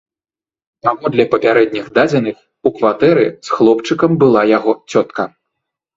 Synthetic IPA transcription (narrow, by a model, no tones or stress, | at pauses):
t̪amɔd̪lʲɐpɐpʲaɾɛd̪̚ʲnʲiɣd̪ad͡zʲɐnɨx | ukvat̪ɛɾɨ̰sxlˠɔpt͡ʂɨkɐmbɨlˠajaɣɔt͡sʲɔt̪kɐ